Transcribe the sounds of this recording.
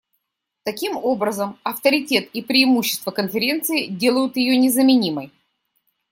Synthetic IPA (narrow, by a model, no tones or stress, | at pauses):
t̪ɐkʲimo̞bɾəzəmɐft̪əɾʲɪtʲe̞t̪ipɾʲɪːmuɕːɪst̪vəkənfʲɪɾʲe̞nt̪sɨɪdʲe̞lˠəjʊt̪jɪjonʲɪzəmʲɪnʲiməj